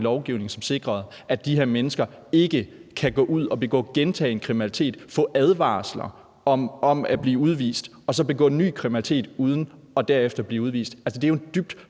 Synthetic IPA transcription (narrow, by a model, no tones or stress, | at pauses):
lɒʊɡ̥iʊne̝ŋsɒ̽mse̝ɡ̥ʁɐð̞̩ˠ | ʔæd̥ihe̝ɐ̰menəsɡ̥ɐ | e̝ɡ̥əkʰæɡ̥ɔ̰̽ːʔuð̞̰ˠɒ̽b̥e̝ɡ̥ɔ̰̽ːɡ̥ent͡sʰɛ̰ːe̝nkʰʁiminælit͡sʰe̝̰ːd̥fɔ̰̽ːʔæð̞ˠʋɑ̰̈ːslɐ | ɒɒ̽mæb̥liːuð̞ˠʋḭːsd̥ | ɒ̽sɒ̽b̥e̝ɡ̥ɔ̰ːnːy̰ːkʰʁimnæli̥t͡sʰe̝̰ːd̥uð̞ˠn̩ | ɒ̽d̥æɐefd̥ɐb̥liːuð̞ˠʋḭːsd̥ælsəd̥eæjo̝end̥yb̥̚d̥